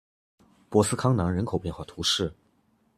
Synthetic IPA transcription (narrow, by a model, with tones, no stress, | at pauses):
pwɔ˧˥sɹ̩˥kʰɑ˥ŋnɑ˧˥ŋɻə˧˥nkʰo˨˩ʊpjɛ˥˧nxwa˥˩t̪ʰu˧˥ʂɻ̩˥˩